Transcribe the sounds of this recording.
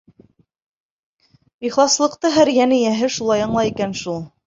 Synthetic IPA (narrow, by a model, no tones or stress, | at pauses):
iχlˠɑslˠɤ̆qt̪ɤɦæɾjænɘ̆jæɦɘʃulˠɑjɑ̆ɴlˠɑjikænʃulˠ